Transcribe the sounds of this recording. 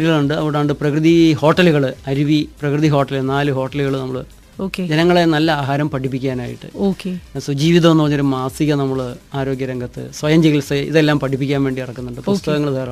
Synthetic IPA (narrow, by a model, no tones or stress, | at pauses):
ɾiɣɐɭuɳɖɨɐ̰ʋɽaːɳɖɨprɐkrɨðiho̞ːʈːɐluɣɐɭɨɐɾiʋiprɐkrɨðiɦo̞ːʈːɐlnaːlɨɦo̞ːʈːɐluɣɐɭnɐmːɐɭ | oːked͡ʑenɐŋːɐɭe̞nɐlːɐaːɦaːɾɐmpɐʈip̬ːikʲːaːna̰ːjḭʈːɨ̰oːkeswɐd͡ʑiːʋiðɐmenːupɐrɐɲːoɾumaːsiɣɐnɐmːɐɭaːɾo̞ːɡjɐɾɐŋɡɐt̪ːɨ̰swɐjɐmd͡ʑiilsɐḭðe̞lːaːmpɐʈʰip̬ːikʲːaːnʋe̞ːɳɖiirɐkːunːuɳɖɨpust̪ɐɣɐŋːɐɭd̪ɐɾɐ